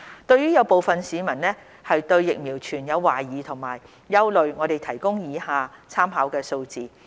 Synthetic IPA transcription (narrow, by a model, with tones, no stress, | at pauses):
t̪ɵ˧ɥjyː˥jɐ˨˧wpo˨˧wfɐ˨nsiː˨˧mɐ˨˩nnɛː˥ | hɐ˨jt̪ɵ˧ɥjɪ˨k̚miː˨˩wt͡ʃʰyː˨˩njɐ˨˧wːaː˨˩jiː˨˧˥t̪ʰʊ˨˩ŋmaː˨˩jː | ɐ˥wlɵ˨˧ɥŋɔː˨˧t̪e˨jt̪ʰɐ˨˩jkʊ˥ŋjiː˨˧haː˨˧t͡sʰaː˥mɦaː˨˥wkɛː˧so˧wt͡siː˨